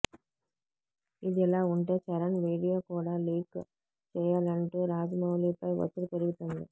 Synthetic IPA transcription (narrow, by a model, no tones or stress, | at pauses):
ɪðɛlːaːʊɳʈeːt͡ʃɐɾɐnʋiːɽijoːkuːɽaliːk | t͡ʃɛjːaːlɐɳʈɯɾaːd͡ʒmɐʋliːpːɐɪʋɐ̰t̪ːɯɾɯpɛɾɯʋit̪ːɐnd̪ɯ